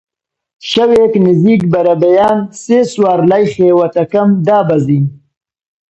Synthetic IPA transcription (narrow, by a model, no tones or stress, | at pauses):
ʃaweknɪziːkbɐɾabajaːnseːswaːɾlajχeːwat̪ɐkamd̪aːbazin